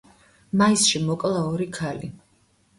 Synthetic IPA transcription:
maisʃimɔkʼlˠaɔɾikʰali

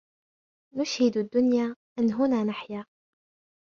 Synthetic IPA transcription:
nʊʃhɪd̪ad̪ːʊnjaːʔɪnɦʊnaːnaħjaː

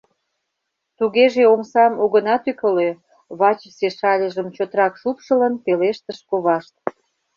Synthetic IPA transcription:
t̪uɣeʒeomsɑmuɣənɑt̪ykəlø | βɑt͡ɕseʃɑlʲəʒəmt͡ɕot̪ɾɑkʃupʃələnpeleʃt̪əʃkoβɑʃt̪̚

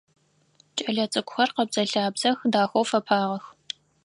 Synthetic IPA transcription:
t͡ʃʼɐɮɐt͡sʼɨkʷʼʊxʷɐrqɐbz̥ɐɬaːbzɐxdaːxʷowfɐpʰaːʁɐx

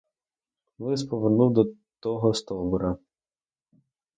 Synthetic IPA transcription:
ʋɪspɔʋɪrnuwd̪ɔ | t̪ɔɦɔst̪ɔbʊɾɐ

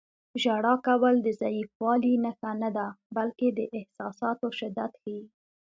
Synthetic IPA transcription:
ʒaɽɑkawəld̪əzajifwɑlinəxanad̪abalked̪əʔɪhsɑsɑt̪oʃɪd̪at̪xaji

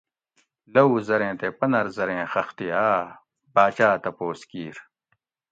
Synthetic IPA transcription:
lɐuzɐɾẽːt̪epɐnɐɾzɐɾẽːxɐxt̪iaː | baːt͡ɕaːt̪ɐpoːskiːɾ

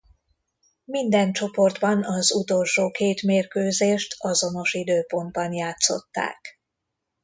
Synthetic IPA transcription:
mind̪ɛnt͡ʃo̞po̞rd̪bɒnɒzut̪o̞lʃoːkeːt̪meːrkøːzeːʃt̪ʰɒzo̞no̞ʃid̪øːpo̞nd̪̚bɒnjaːt̪so̞̰t̪ːa̰ːk

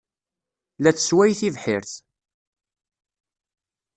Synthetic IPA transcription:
læt͡sːəswæjθivħɪɾθ

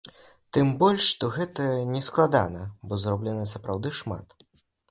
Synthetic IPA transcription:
t̪ɨmbɔlʲʂːt̪ɔɣɛt̪ɐnʲɛsklˠad̪a̰nɐbɔzɾɔblʲɛnɐsɐpɾawd̪ɨʂma̰t̪

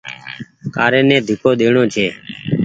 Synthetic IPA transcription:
kaːɾeːneːd̪ʱɪkoːd̪eːɳõːt͡ʃʰeː

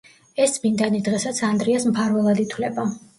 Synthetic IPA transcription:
ɛsd̪mind̪anid̪ʁɛsat̪sʰand̪ɾiasmpʰaɾvɛlˠad̪it̪ʰwlɛba

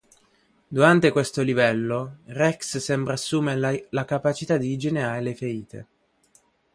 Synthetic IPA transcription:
d̪uɾant̪ekwest̪olivɛlːorɛkssɛmbɾaːsːuːmelakapat͡ʃit̪ad̪id͡ʒeneɾaɾelefeɾiːt̪ḛ

